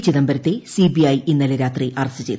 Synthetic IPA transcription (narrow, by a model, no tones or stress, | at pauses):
t͡ɕːiðɐmbɐɾɐt̪ːesibiɐjinːɐlɐɾaːt̪riʔɐrɐsɨt͡ɕejt̪